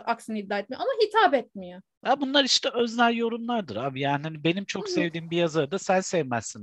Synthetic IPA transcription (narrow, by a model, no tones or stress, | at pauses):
ʔaksɯnid̪ːaːet̪mijo̰amaɦit̪ʰaːbɛt̪̚mijo | abunlˠaɾiʃt̪ʰɛøznæljo̞ɾumlˠaɾd̪ɯɾaːbijaːniɦanibe̞nimt͡ʃʰo̞ksevd̪iːmbijazaɾɯd̪asænsɛvmæsːin